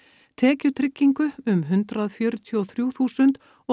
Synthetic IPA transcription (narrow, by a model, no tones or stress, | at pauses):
t̪ʰɛːcʏɾt̪ʰɾɪcːiŋkʏʏmɦʏnt̪ɾaðfjœːɾʏt̪ʰiɔθɾjuːθuːsʏnt̪ | ɔ